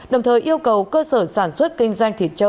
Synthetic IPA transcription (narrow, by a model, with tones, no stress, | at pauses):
ɗə˨˩wŋ͡mt̪ʰəː˨˩jʔi˧əwkə˨˩wkəː˧səː˧˩saː˧˩nswə˦˥t̚kï˧ŋ̟zwa˧jŋ̟t̪ʰi˨˩ət̚t͡ɕə˧